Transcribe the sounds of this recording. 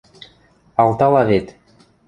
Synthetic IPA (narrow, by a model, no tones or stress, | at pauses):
ɑlˠt̪ɑlˠɑvet̪